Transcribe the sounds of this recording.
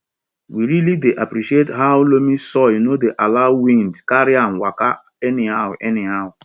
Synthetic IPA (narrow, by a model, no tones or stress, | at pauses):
wiɾilideʔapɾiʃietɦawʊlomisɔjunodeʔalaʊwĩndkaɾian̩waka | ɛnɪɦawʔɛnɪɦaʊʊ